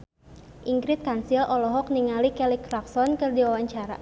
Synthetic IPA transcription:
ʔiŋɡɾɪt̪̚kansilʔɔlɔɦɔk̚niŋalikɛlikɾak̚sɔnkɨrdiwawaɲt͡ʃaɾa̰

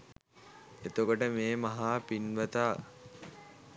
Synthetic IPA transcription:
et̪okoʈəmeːmaɦaːpinʋət̪aː

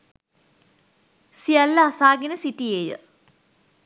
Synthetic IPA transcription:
sialːəasaːɡenəsiʈijeːjə̰

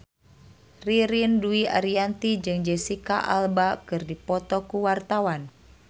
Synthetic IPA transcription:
riɾinduia̰ɾiant̪id͡ʒɨŋd͡ʒɛsikaʔa̰lbakɨrdipɔt̪ɔkuwart̪awan

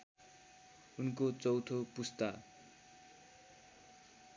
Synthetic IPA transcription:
unkot͡sʌwt̪ʰopust̪a

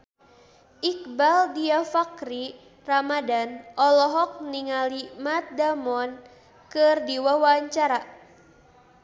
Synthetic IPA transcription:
ʔik̚baldiafakɾi | ramadanʔɔlɔɦɔk̚niŋalimat̪̚damɔn | kɨrdiwawaɲt͡ʃaɾa

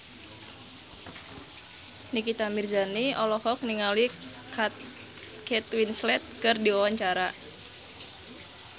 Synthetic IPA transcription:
nikit̪amirzaniɔlɔhɔk̚niŋali | kɛt̪winslɛt̪̚kɨrdiwawaɲt͡ʃaɾa

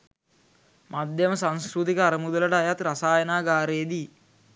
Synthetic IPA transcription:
mad̪ʱjɐməsanskɾut̪ikəːɾɐmud̪ələʈəajat̪ɾasaːjɐnaːɡaːɾeːd̪i

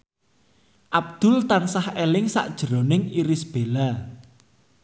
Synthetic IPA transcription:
ʔab̚d̪̥ʊ̤lt̪ansahelɪŋsa̰ʔd̥ʒ̥əɾonɪŋiɾɪsb̥ela

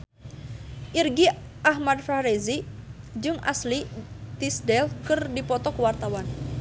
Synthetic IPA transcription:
ʔirɡi | ʔahmad̚faɾezi | d͡ʒɨŋʔa̰slit̪isdɛlkɨrdipɔt̪ɔkəwart̪awan

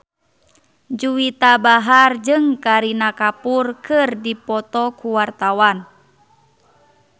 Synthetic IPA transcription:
d͡ʒuwit̪abaɦard͡ʒɨŋkaɾinakapurkɨrdipɔt̪ɔkuwart̪awan

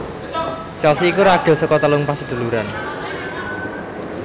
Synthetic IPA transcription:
t͡ʃɔsiikuɾaɡ̥ɔ̤sɔkɔt̪əlʊŋpasəd̪̥ṳluɾan

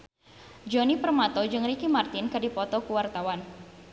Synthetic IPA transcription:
d͡ʒɔnipərmat̪ɔd͡ʒɨŋrikimart̪ɪnkɨdipɔt̪ɔkuwart̪awan

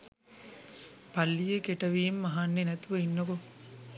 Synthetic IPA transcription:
pɐlːijekeʈɐʋiːmːɐɦaːnːenɛt̪uʋɐinːoko

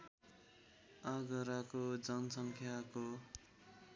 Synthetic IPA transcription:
aɡʌɾakod͡zʌnʌsʌŋkʰjako

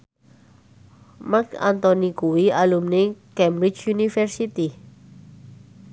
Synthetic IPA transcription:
maka̰nt̪ɔnikuwialumnekɛmbɾit͡ʃjunifɛrsit̪i

